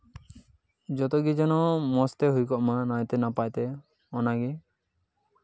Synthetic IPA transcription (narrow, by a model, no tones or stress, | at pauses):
d͡ʒɔt̪ɔɡid͡ʒɔnɔmɔst̪ɛɦojkɔʔmanajt̪ɛnapajt̪ɛ | ɔnaɡi